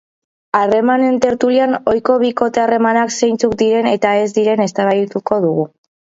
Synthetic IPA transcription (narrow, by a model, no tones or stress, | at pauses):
are̞mane̞nt̪e̞ɾt̪uliano̞jko̞β̞iko̞t̪e̞are̞manakse̞jnt͡suk̚d̪iɾe̞ne̞t̪ae̞zd̪iɾe̞ne̞st̪aβajt̪uko̞ðuɣ̞u